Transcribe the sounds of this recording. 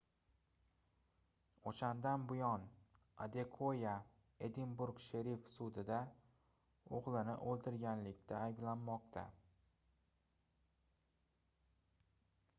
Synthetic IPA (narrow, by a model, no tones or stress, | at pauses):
oʃand̪anbʊjɒn | a̰d̪e̞kʰoja | ed̪ɪnbʊɾɡʃeɾifsʊd̪ɪd̪a | oʁlˠɪnɪ̰ʔolˠd̪ɪɾɡʲanlɪkʲt̪ʰaːjblanmɒqt̪ʰa̰